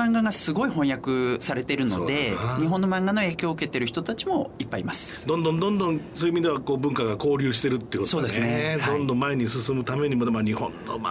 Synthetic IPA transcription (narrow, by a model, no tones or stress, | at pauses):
ãŋɡaɡasɨɡo̞iɦõ̞jakɯ̟saɾe̞t̪e̞ɾɯ̟no̞̰d̪e̞ɲ̟iɦõ̞nːo̞mãŋɡano̞e̞ːkʲo̞ːɯ̟ke̞t̪e̞ɾɯ̟çi̥t̪o̞t̪at͡ɕimo̞ipːaimasɨ̥d̪õnd̪õ̞nd̪õnd̪õŋsoːjɯmʲid̪e̞βakoːbɯ̟̃ŋkaɡako̞ːɾʲɨːɕ̬i̥t̪e̞ɾɯt̪ːeiɯkotso̞ːd̪e̞sɨned̪õnd̪õmːaeɲ̟isɨsɨmɯ̟t̪ame̞ɲ̟imo̞d̪emoɲihõ̰nːo̰